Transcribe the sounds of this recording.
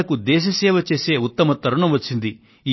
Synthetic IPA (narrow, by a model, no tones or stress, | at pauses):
ɐkud̪ɛːʃ̬ɐsɛːʋɐt͡ʃeːseːut̪ːɐmɐt̪ːɐɾɐɳɐmʋɐsind̪i | i